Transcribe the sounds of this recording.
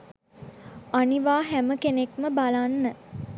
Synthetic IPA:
aniʋaːɦæməkenekməbalanːə

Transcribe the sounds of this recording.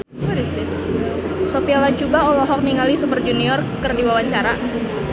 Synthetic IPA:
ɾisi | sopialat͡ʃubaolɔɦɔk̚niŋalisupərd͡ʒuniɔrkərdiwawaɲt͡ʃaɾa

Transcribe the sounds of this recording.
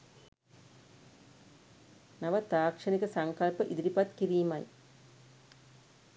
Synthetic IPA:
naʋəd̪aːkʂɐnikəsaŋkɐlpəʔid̪iɾipat̪kiɾiːmɐj

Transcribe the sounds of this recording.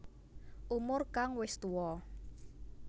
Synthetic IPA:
ʔumʊrkaŋwɪst̪uwɔ

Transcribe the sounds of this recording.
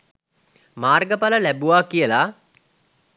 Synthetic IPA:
maːrɡəpaləlæbuʋaːkijəla

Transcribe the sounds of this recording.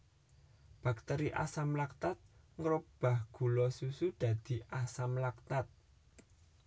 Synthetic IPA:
b̥a̤k̚t̪ɛɾiʔa̰samlak̚t̪at̪̚ŋɾʊp̚b̥a̤hɡ̥ṳlɔsusud̪̥ä̤d̪̥i̤ʔasamlak̚t̪at̪̚

